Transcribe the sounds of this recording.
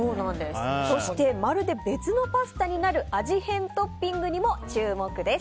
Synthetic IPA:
oːnãnd̪e̞sɨ̥so̞ɕi̥t̪e̞maɾɯ̟d̪e̞be̞t͡sɨno̞pasɨ̥t̪aɲ̟inaɾɯ̟ʔaʑihẽ̞nt̪o̞pʲːĩŋɡɯ̟ɲ̟imo̞t͡ɕɨːmo̞kɯ̟d̪e̞s

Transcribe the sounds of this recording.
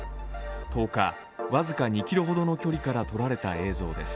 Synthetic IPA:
t̪o̞ːka̰ | βazɨkaɲ̟ikʲiɾɯ̟ɦo̞d̪o̞no̞kʲo̞ɾʲikaɾat̪o̞ɾaɾe̞t̪a̰e̞ːzo̞ːd̪e̞sɨ̥

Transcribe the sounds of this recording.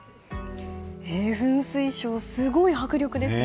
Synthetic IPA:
eːɸɯ̟̃ɰ̃sɨiɕo̞ːsɨɡo̞ihakɯ̟ɾʲo̞kɯ̟d̪e̞sɨ

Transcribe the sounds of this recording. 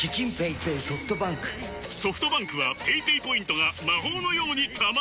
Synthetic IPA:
kʲit͡ɕĩmpeipeiso̞ɸɯ̥t̪obãŋkɯ̟̥ | so̞ɸɯ̟̥t̪o̞bãŋkɯβapeipeːpo̞ĩnt̪o̞ɡamaɦo̞ːno̞jo̞ːɲ̟it̪ʰam

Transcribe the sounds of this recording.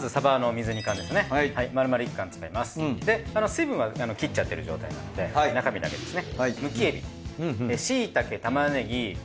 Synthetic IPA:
mazɨsabano̞mʲizɨɲ̟ikãnd̪e̞sonehaimaɾɯ̟maɾɯ̟ikːãnt͡sɨ̥kaimasɨ̥d̪e̞ano̞sɨibɯ̟̃ɰ̃βaano̞kʲit͡ɕːat̪ːe̞ɾɯʑo̞ːt̪a̰ina̰nod̪e̞nakamʲid̪a̰ɡe̞d̪e̞sɨnemɯ̟kʲie̞bʲḭeɕiːt̪ake̞t̪amane̞ɡʲi

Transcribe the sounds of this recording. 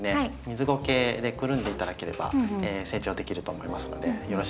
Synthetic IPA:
ne̞aimʲizɨɡo̞ke̞ːd̪e̞kɯ̟ɾɯ̟̃nd̪e̞it̪ad̪ake̞ɾe̞ba̰eːse̞ːt͡ɕo̞ːd̪e̞kʲiɾɯ̟t̪o̞ːmo̞imasɨno̞̰d̪e̞jo̞ɾo̞ɕ

